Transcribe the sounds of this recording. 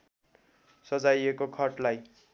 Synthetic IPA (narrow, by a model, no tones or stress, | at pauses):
sʌd͡zajekokʰʌʈlaj